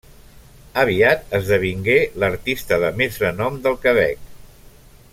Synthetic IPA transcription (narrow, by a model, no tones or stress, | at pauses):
əβ̞iat̪əzðəβ̞iŋɡeləɾt̪ist̪əðəmezrənɔmd̪əlˠkəβɛ̰k̚